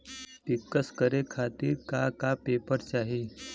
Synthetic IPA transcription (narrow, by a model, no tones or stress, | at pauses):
tikːəskəɾekʰat̪iːɾkakapepəɾt͡ɕaɦe